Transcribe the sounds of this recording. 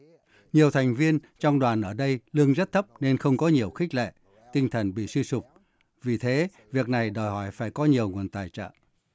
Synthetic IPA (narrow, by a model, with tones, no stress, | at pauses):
ɲi˨˩əwt̪ʰa˨˩ŋ̟vi˧ənt͡ɕɔ˧wŋ͡mɗwaː˨˩nʔəː˧˩ɗə˧jlɨ˧əŋzə˦˥t̚t̪ʰə˦˥p̚ne˧nxə˧wŋ͡mkɔ˨˦ɲi˨˩əwxi˦˥k̟̚lḛ˧˨ | t̪ï˧ŋ̟t̪ʰə˨˩nɓḭ˧˨si˧sʊ˨˩k͡p̚ | vi˨˩t̪ʰe˨˦ | vi˨˩ək̚na˨˩jɗɔ˨˩jɦɔ˧˩jfaː˧˩jkɔ˨˦ɲi˨˩əwŋu˨˩ənt̪aː˨˩jt͡ɕə̰ː˧˨